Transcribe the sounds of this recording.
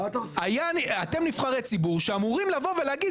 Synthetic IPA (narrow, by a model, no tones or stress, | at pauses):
t̪ajaniat̪e̞mnifχaʁet͡sibuʁʃeamuʁimlavo̞ve̞leaɡid